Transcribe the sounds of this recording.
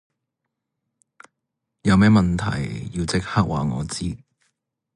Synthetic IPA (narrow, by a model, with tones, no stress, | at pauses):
jɐ˨˧wmɛː˥mɐ˨˩nt̪ʰɐ̰˨˩jjiː˧wt͡sɪ˥k̚haː˥k̚waː˨ŋɔː˨˧t͡siː˥